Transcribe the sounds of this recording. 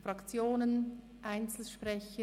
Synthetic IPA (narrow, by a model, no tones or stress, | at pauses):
fʁɑkt͡sjoːnən | ʔaɪnt͡sl̩ʃpʁɛçə